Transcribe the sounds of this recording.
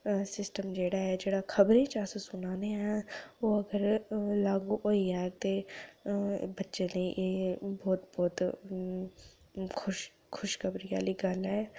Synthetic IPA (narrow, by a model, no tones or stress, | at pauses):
sɪsʈəmd͡ʒeːɽaːɦɛːd͡ʒeːɽaːkʰəbɾẽːt͡ʃassʊnãːneɛːoːəɡəɾlaːɡuːʔoːiːɛːt̪eː | bətːʃẽːnẽːʔeːbɔːt̪bɔːt̪ | kʰʊʃ | kʰʊʃkʰəbɾɪja̰ːliːɡəlɦɛː